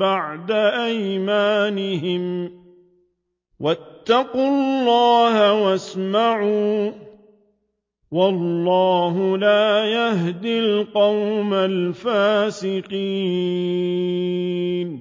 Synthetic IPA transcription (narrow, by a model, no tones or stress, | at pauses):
baʕd̪aʔajmaːnɪɦɪm | wat̪ːɑqʊllːɑːhawasmaʕuː | wɑlːɑːɦʊlaːjaɦd̪ilqɑwmalfaːsɪqiː | n